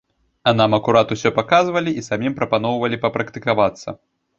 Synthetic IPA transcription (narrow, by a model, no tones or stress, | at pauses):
ɐnamɐkuɾat̪usʲɔpakazvɐlʲiisamʲimpɾɐpanɔwvɐlʲipɐpɾɐkt̪ɨkavat̪sːɐ̰